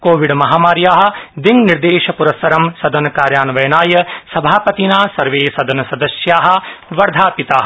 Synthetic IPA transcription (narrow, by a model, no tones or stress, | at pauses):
koːʋiɖmɐɦaːmaːɾjaːɦɐ̆d̪iŋniɾd̪eːʃɐpuɾɐsɐɾɐmsɐd̪ɐnɐkaːɾjaːnɐʋɐjɐnaːjɐsɐbʱaːpɐt̪inaːsɐɾʋeːsɐd̪ɐnɐsɐd̪ɐsjaːɦɐ̆ʋɐɾd̪ʱaːpit̪aːɦɐ